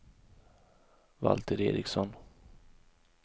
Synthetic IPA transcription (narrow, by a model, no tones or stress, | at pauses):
va̰lt̪ʰəɾeːɾɪksɔn